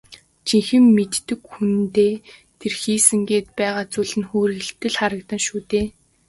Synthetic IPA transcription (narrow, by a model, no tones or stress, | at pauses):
t͡ɕiŋxɘ̆mːet̪ːɘ̆kxunt̪eːt̪ʰerxiːsɘ̆ŋɡeːt̪̚pæːʁaːt͡suɮɘ̆nxoːɾɘ̆ɬt̪ːɘ̆ɮχaɾə̆kt̪ə̆nʃuːt̪eː